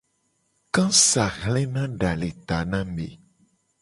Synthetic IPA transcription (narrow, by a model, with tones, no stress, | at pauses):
kã˦sa˨ɣlɛ˦nã˦ɖa˨le˨t̪a˨nã˦mḛ˨